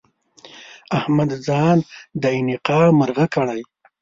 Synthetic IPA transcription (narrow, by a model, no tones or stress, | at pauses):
ahmad̪zɑnd̪əinɪqɑməɾɣakəɽaj